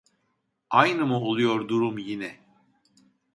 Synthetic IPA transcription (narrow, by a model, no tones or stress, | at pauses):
ajnɯmuo̞lˠujo̞ɾd̪uɾumjinɛ